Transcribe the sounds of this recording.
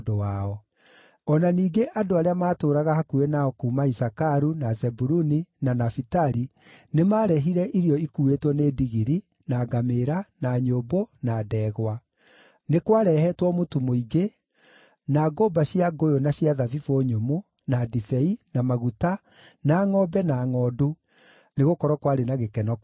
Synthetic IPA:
dowaɔ | ɔnaniːɡeʔadoaɾeamaːtoːɾaɣahakuɾenaɔkuːmaisakaɾunazɛbuɾuninanafitaɾi | nemaːɾɛɦiɾɛʔiɾiɔikuːetwɔnediɣiɾi | naɡameɾanaɲobonadɛːɣwa | nekwaɾɛhɛtwɔmotumoiɡe | naɡobaɕjaɡojonaɕjaðavifoɲomo | nadifɛinamaɣuta | naːŋɔbɛnaːŋɔdu | neɣokɔɾɔkwaɾenaɣekɛnɔk

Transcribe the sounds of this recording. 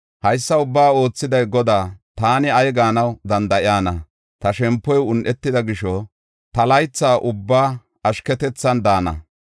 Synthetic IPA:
hɐjsːɐʊbːaːo̞ːt͡sːɪd̪ɐjɡɔd̪aːt̪aːnɪɐjɡaːnɐwd̪ɐnd̪ɐʔɪaːnɐ | t̪ɐʃɛmpːɔjʊnʔɛt̪ːɪd̪ɐɡɪʃɔ | t̪ɐlɐjt͡sːaːʔʊbːaː | ɐʃkɛt̪ɛt͡sːɐnd̪aːnɐ̰

